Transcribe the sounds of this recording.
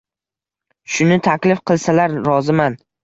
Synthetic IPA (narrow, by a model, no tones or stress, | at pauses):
ʃʊnɪt̪ʰakʲlɪfqʰɨlˠsalaɾɾɒzɪman